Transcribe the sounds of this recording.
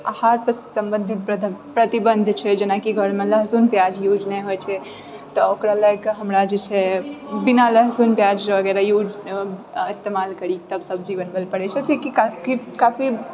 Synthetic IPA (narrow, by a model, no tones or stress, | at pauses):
ahaɾpəssəmbənd̪ʱit̪p̪pɾət̪ibənd̪ʱt͡ʃʰɛd͡ʒenakiɡʱəɽmeləɦsunpjad͡ʒjud͡ʒneɦojt͡ʃʰɛ | t̪ɔokɾalaɡkɦəmɾad͡ʒet͡ʃʰɛbinaləɦsunpjad͡ʒd͡ʒeəɡɛɾajud͡ʒ | ist̪emalkəɾikt̪əbsəb̚d͡ʒibənbelpəɽɛt͡ʃʰɛt̪ekikakikafi